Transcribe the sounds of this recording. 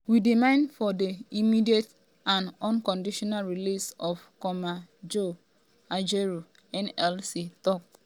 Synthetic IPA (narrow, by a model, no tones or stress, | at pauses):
widimãɪ̃nfɔdeimidiet | ãnɔ̃nkɔ̃ndiʃɔnalɹilisɔfkɔmad͡ʒo | ad͡ʒeɹu | ɛ̃nɛlsitɔk̚